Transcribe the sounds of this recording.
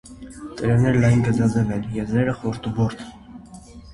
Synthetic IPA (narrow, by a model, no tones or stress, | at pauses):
t̪ɛɾɛnɛɾlɑjnɡəd͡zɑd͡zɛvɛljɛzɛɾəχɔɾt̪ʰubɔɾt̪ʰ